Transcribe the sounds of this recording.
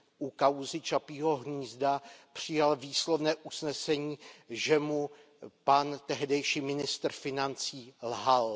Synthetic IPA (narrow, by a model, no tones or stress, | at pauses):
ʔukawzɪt͡ʃapiːɦo̞ɦɲiːzdapr̝̥ɪjalviːslovnɛːʔusnɛsɛɲiːʒɛmu | pant̪ɛɦdɛjʃiːmɪnɪst̪rfɪnant͡siːlɦal